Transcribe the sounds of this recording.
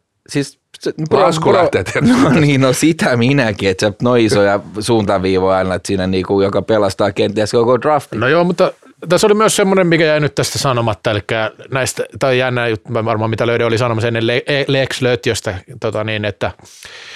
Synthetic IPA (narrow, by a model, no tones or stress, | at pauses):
sis | seypɑsklɑt̪ːet̪noniːnosit̪æminækiet̪senoiisojɑsuːnt̪ɑʋiːʋoiɑinɑet̪siːnæniːkujokɑpelɑst̪ɑːkent̪iæskokodrɑft̪inojoːmut̪ːɑ | t̪æsːolimyøssemːonemmikæjæinyt̪t̪æst̪æsɑnomɑt̪ːɑelikːæːnæist̪æt̪ɑijænːæːjut̪ːʋɑʋɑrmɑːmit̪æløyɾæolisɑnomɑsenːelleeleːksløyt̪iøst̪æt̪ot̪ɑniːnet̪ːæ